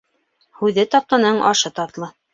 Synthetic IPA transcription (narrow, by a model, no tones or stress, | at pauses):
hʉðɘt̪ɑp̚t̪ɑnɤɴʔɑ̰ʃɤt̪ɑt̪lˠɤ